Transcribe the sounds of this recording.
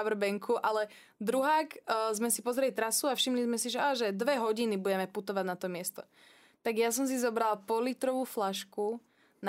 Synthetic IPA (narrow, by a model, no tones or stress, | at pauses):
ʋr̩bɛŋkʰuʔalɛ | d̪ɾuɦaːkːzmɛsipɔzɾɛlit̪ɾasuafʃimlizmɛsiʒɛʔaːʒɛd̪ʋɛɦɔɟinibuɟɛmɛput̪ɔʋaɟnat̪ɔmɪɛst̪ɔ̰ | t̪aɡjas̬ɔms̬izɔbɾalpɔlit̪ɾɔʋuːflaʃku | n